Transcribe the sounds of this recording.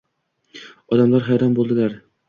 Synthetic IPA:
ɒd̪amlaɾɦæjɾɒnbolˠd̪ɪlaɾ

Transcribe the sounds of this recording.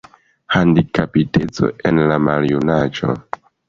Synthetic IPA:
handikapite̞t͡so̰e̞nlamaljunad͡ʒo̞̰

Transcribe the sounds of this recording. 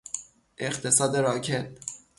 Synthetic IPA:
ʔe̞χt̪ʰe̞sɒːd̪e̞ɾɒːcʰet̪̚

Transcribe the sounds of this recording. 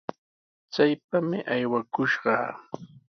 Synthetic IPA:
t͡sajpamɪʔajwakʊʃɢɑ̰ː

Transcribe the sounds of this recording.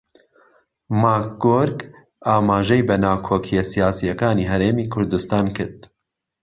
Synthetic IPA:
maːkɡoɾɡ | aːmaːʒɛjbɐnaːkʰoːkʰijɛsijaːsijɐkaːniːɦɐɾeːmiːkʰʊɾd̪ust̪aːnkɨɾd̪̚

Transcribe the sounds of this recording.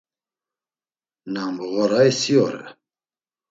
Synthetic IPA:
nambuɣɔɾajsiɔɾɛ̰

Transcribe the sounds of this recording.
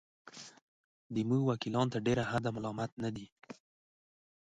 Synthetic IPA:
d̪əmuɡwakilɑnt̪aɖeɾahad̪amalɑmat̪̚nad̪i

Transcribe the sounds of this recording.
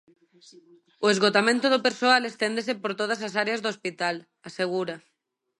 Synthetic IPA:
oezɣot̪amẽnt̪oð̞opeɾsoalest̪end̪esepoɾt̪oðasasaɾeazðoospit̪al | aseɣ̞uɾa

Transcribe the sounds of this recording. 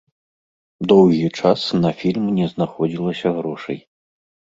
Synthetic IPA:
d̪ɔwɣʲit͡ʂasnɐfʲilʲmnʲɛznaxɔd͡zʲilˠɐsʲɐɣɾɔʂɐ̰j

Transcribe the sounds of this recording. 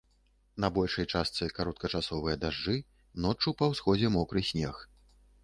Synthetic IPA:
nɐbɔlʲʂɐjt͡ʂast̪sɨkaɾɔt̪̚kɐt͡ʂasɔvɨjɐd̪aʐd͡ʐɨ | nɔt͡ʂːupɐwsxɔd͡zʲɛmɔkɾɨsʲnʲɛx

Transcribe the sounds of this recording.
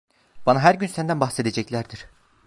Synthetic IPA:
b̥anaɦæɾɟynsænd̪ænbaxse̞d̪ed͡ʒɛclʲæɾd̪iɾ̥

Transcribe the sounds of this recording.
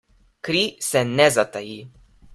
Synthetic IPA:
kɾisɛnɛzat̪aji

